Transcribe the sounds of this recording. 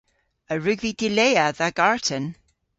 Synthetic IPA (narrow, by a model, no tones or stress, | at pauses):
əɹʉɡvid̥ɪlejaðaɡaɹtʰən